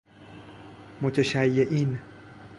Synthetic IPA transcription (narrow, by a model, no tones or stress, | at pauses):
mot̪ʰeʃæjːeʔin